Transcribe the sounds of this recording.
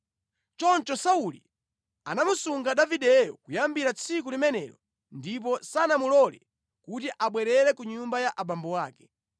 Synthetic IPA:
t͡ʃɔnt͡ʃɔsaulḭ | a̰namusuŋɡaɗaviɗɛjɔ̰kujambiɾat͡sʰik̬ulimɛnɛɾɔ | ndip̬ɔsanamulɔlɛ̰ | kutiʔaɓwɛɾɛɾɛkuɲumbajaʔaɓambɔwaːkɛ̥

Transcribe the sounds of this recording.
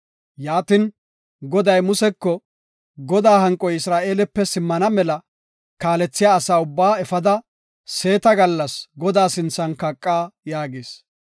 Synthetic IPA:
jaːt̪ɪn | ɡɔd̪ɐjmʊsɛkːɔ | ɡɔd̪aːɦɐŋkʼːɔjɪsɾaːʔe̞ːlɛpːɛsɪmːɐnɐmɛlɐ | kaːlɛt͡sːɪjaːsaːʊbːaːɛfɐd̪ɐ | se̞ːt̪ɐɡɐlːɐsɡɔd̪aːsɪnt͡sːɐnkɐkʼːaːjaːɡeːs

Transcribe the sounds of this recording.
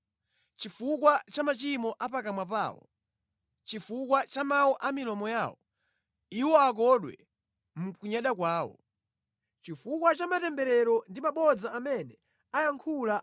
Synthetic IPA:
t͡ʃifukwat͡ʃamat͡ʃimɔʔapakamwapa̰ːwɔ̰ | t͡ʃifukwat͡ʃamawɔʔamilɔmɔjaːwɔ | iwɔak̬ɔɗwɛ̰ | mukuɲaɗakwaːwɔ̰ | t͡ʃifukwat͡ʃamatɛmbɛɾɛɾɔndimaɓɔd͡zaːmɛnɛ | ajaŋkʰula

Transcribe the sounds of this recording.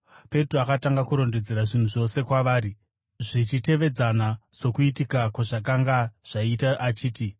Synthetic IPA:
pe̞troakataŋɡakuɾo̞nded͡zeɾaʐin̤uʐo̞se̞kwaʋaːɾi | ʐit͡ʃite̞ʋe̞d͡zanaso̞kuit̬ikakwaʐak̬aŋɡaʐ̥aitaʔat͡ʃiːti

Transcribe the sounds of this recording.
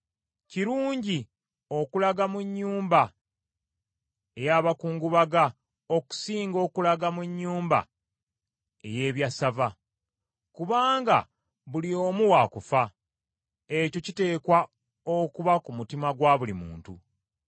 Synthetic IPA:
ciɾuːɲɟi | o̞kulaɡamuɲːuːmba | ejaːβakuːŋɡuβaɡa | o̞ku̥siːŋɡo̞ːkulaɡamuɲːuːmba̰ | e̞je̞ːβjasava | kuβaːŋɡa̰ | βulio̞ːmuwakufa | e̞co̞cite̞ːkwa | okuβakumutimaɡwaːβulimṵːntṵ

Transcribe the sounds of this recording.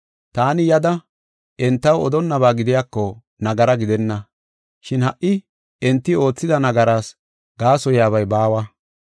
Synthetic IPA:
t̪aːnɪjɐd̪ɐ | ʔɛnt̪ːɐwɔ̰d̪ɔnːɐbaːɡɪd̪ɪjaːkːɔ | nɐɡɐɾɐɡɪd̪ɛnːɐ | ʃɪnhɐʔːɪ | ʔɛnt̪ːɪo̞ːt͡sːɪd̪ɐnɐɡɐɾaːs | ɡaːsɔjaːβɐjbaːwɐ

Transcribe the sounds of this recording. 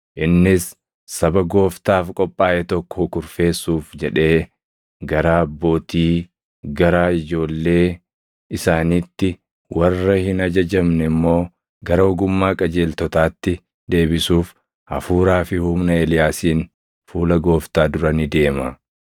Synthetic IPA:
ʔɪnːɪsː | ɐbɐɡo̞ːft̪aːfkʼɔpʼːaːʔɛt̪ɔkːɔ̥hɔkʊɾfe̞ːsːuːfd͡ʒɛᶑe̞ː | ɡɐɾaːɐbːo̞ːt̪iː | ɡɐɾaːɪd͡ʒo̞ːlːe̞ː | ɪsaːniːt̪ːɪ | wʔɐrːɐhɪnɐd͡ʒɐd͡ʒɐmnɛmːo̞ː | ɡɐɾɐɔɡʊmːaːkʼɐd͡ʒe̞ːlt̪ɔt̪aːt̪ːɪ | d̪e̞ːbɪsuːf | ɐ̰fuːɾaːfɪhumnɐeːlɪjaːsiːn | fuːlɐɡo̞ːft̪aːd̪ʊɾɐnɪd̪e̞ːmɐ

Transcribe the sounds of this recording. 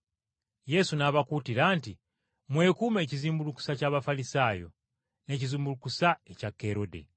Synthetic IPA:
je̞sunaβakutiɾanti | mwe̞ːkume̞ːciziːmbuluku̥sacaːβafalisaːjo̞̰ | ne̞ciziːmbulukusaecakːe̞ɾo̞dḛ

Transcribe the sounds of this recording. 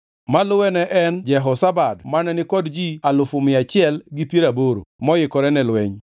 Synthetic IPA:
malʊwɛnɛʔɛnd͡ʒɛɦɔsabadmanɛnɪkɔdd͡ʒialʊfʊmɪat͡ʃɪɛlɡɪpjeɾaboɾo̰mɔjɪkɔɾɛnɛlwɛɲ

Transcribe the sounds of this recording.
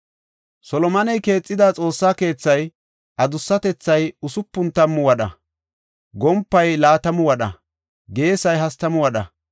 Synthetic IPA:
sɔlɔmɐnɛjke̞ːt͡sʼːɪd̪at͡sʼo̞ːsːaːke̞ːt͡sːɐj | ʔɐd̪ʊsːɐt̪ɛt͡sːɐjʊsʊpːʊnt̪ɐmːʊwɐɗɐ̰ | ɡɔmpːɐjlaːt̪ɐmʊwɐɗɐ̰ | ɡe̞ːsɐjɦɐst̪ɐmʊwɐɗɐ̰

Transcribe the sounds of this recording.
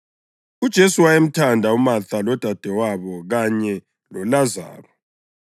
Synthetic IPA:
ud̥ʒ̥ʱesuwajem̩tʰandʱaumaθalɔd̥ʱad̥ʱɛwaβɔɣaɲɛ | lɔlaza̰ːlɔ

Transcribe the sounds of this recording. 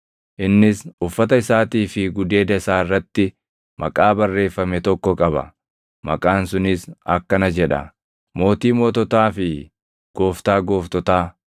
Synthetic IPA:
ʔɪnːɪsʊfːɐt̪ɐɪsaːt̪iːfɪɡʊd̪e̞ːd̪ɐɪsaːɪrːɐt̪ːɪ | mʔɐkʼaːbɐrːe̞ːfːɐmɛt̪ɔkːɔkʼɐbɐ̰ | mɐkʼaːnsʊnɪsɐkːɐnɐd͡ʒɛᶑɐ̰ | mo̞ːt̪iːmoːt̪ɔt̪aːfɪ | ɡ̥o̞ːft̪aːɡo̞ːft̪ɔt̪aː

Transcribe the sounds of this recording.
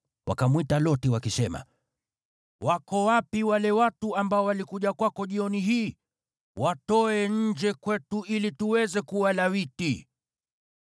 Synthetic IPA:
wʔa̰kamwitalɔtiwakisɛma̰ | wakɔwapiwalɛwatuambaɔwalikuʄakwakɔʄiɔniɦiː | watɔɛɲɲ̩d͡ʒɛkwɛtuilituwɛzɛkuwalawiti

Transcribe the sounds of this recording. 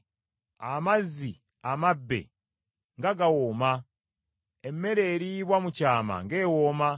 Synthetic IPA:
amazi | amabːe̞̰ | ŋɡaɡawoːma | emme̞ɾe̞ːɾiβwamucaːma̰ŋɡe̞ːwoma

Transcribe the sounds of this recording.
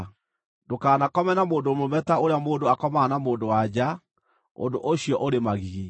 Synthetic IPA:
dokaːnakɔmɛnamoːndomomɛtaoɾeamoːndoakɔmanamoːndowad͡ʑa | o̰ndoʔoɕiɔʔoɾemaɣiɣi

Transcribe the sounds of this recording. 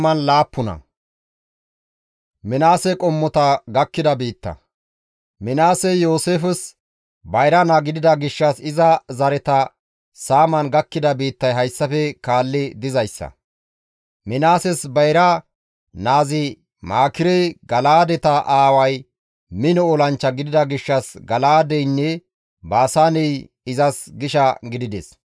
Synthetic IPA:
mɐnlaːpːʊnɐ̰ | mɪnaːsɛkʼɔmːɔt̪ɐɡɐkːɪd̪ɐbiːt̪ːɐ̰ | mɪnaːsɛjoːseːfɛs | bɐjɾɐnaːɡɪd̪ɪd̪ɐɡɪʃːɐsɪzɐzɐɾɛt̪ɐ | saːmɐnɡɐkːɪd̪ɐbiːt̪ːɐjɦɐjsːɐfɛkaːlːɪd̪ɪzɐjsːɐ̰ | mɪnaːsɛsbɐjɾɐ | naːzɪ | maːkɪɾɛjɡɐlaːd̪ɛt̪ɐʔaːwɐj | mɪnɔɔlɐnt͡ʃːɐɡɪd̪ɪd̪ɐɡɪʃːɐsɡɐlaːd̪ɛjnːɛ | baːsaːnɛj | ɪzɐsɡɪʃɐɡɪd̪ɪd̪ɛ̰s

